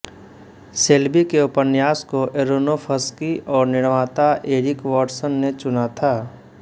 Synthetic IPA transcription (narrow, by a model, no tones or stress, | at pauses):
seːlbikeʊpənjaːskoʔeɾonopʰəskiʔɔːɾnɪɽ̃ʋaːt̪aʔeːɾɪkwɔːʈsənːet͡ʃʊnat̪ʰaː